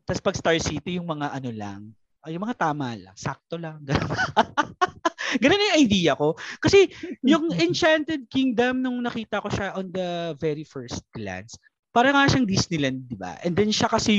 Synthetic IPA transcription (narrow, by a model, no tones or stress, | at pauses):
t̪ɐspɐɡst̪aɹsiːt̪ɪjʊŋmɐŋaʔɐno̞lɐ̰ŋ | ʔjʊŋmɐŋat̪aːmɐlɐ̰ŋsa̰k̚t̪olɐŋɡɐno | ɡɐnonjʊŋʔɐjd̪iːjɐko̞kɐsɛjʊŋɛnt͡ʃant̪ɛd̪̚kiŋd̪ɐmnʊŋnɐkiːt̪ɐko̞ʃaʔond̪ɐvɛɹifɛɹst̪̚ɡ̥la̰ns | paːɾɐŋaʃɐŋd̪isnɪlɐnd̪̚ːɪba̰ʔɛ̰nd̪ɛnʃakɐsɛ